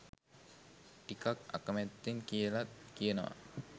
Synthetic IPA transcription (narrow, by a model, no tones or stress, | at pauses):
ʈikaka̰kəmæt̪ːiŋkijəlat̪̚kijənəʋa̰